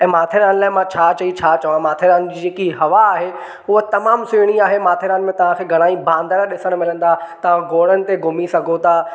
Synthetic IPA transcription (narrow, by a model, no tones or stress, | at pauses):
ɛ̃ːmaːt̪ʰeɾaːnlaːɪmãt͡ɕʰaːt͡ɕɐit͡ɕʰaːt͡ɕɐʋãmaːt̪ʰeɾaːnd͡ʑiːd͡ʑeːkiɦɐʋaːɦe | ʊɦət̪ɐmaːmsʊɽ̃iaːɦemaːt̪ʰeɾaːnɪ̆mẽt̪ɐʋ̤ãkʰeːɡʱɐɽ̃aːĩbʱãːnd̪əɾɗɪsəɽ̃mɪlə̃nd̪aːt̪ɐʋ̤ãɡoːɽənɪ̆t̪eɡʱʊmisɐɡʱot̪ʰaː